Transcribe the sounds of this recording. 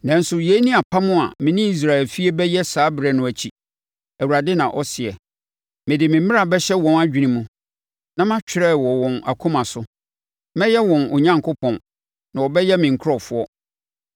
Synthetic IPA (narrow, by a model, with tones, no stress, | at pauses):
nã˨n̩˦sʊ˨je˨˦nĩ˦a˨pʰa˦mʊ̃˦a̰˨mɪ̃˨nĩ˦i˨s̬ɾa˨ɛ˨lfi˦e˦bɛ˦jɛ˦saː˨˦bɾɛ˨nʊ̃˨æ˨t͡ɕʰi˨ | æ˨wu˨ɾa˨dɪ˦nã˨ʔɔ˦sɪ˨ɛ˨ | mɪ̃˨dɪ˨mɪ̃˨m˦mɪ̃˦a˨bɛ˦ɕɛ˦wɔ̃˨na˦d͡ʑᶣi˨nĩ˦mũ˦ | nã˦mã˦t͡ɕᶣɪ˦ɾɛ˦˨wɔ˨wɔ̃˨na̰˨kʰũ˦mã˨sʊ˦ | mɛ̃˦jɛ˦wɔ̃˨nʊ˨ɲã˦ŋkʰo˦pʰɔ̃˨n | nã˨ɔ˨bɛ˦jɛ˦mɪ̃˨ŋ˨kʰʊ˦ɾɔ˨fʊ˦ɔ˦